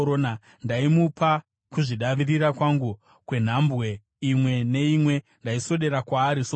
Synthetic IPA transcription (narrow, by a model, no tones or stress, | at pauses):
ona | ndaimupa | kuʐiɗaʋiriɾakwaŋɡu | kwe̞n̤ambɣe̞ | imwe̞ne̞imwe̞ | ndaiso̞ɗe̞ɾakwaːɾiso